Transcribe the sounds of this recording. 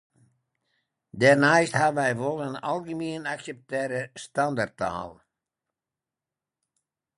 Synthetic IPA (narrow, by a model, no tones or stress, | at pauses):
dɛrnaːsthaʋɛjʋolˠənɑ̰lˠɣəmiənaksɛp̚tɛːɾəstɑndartːa̰ːlˠ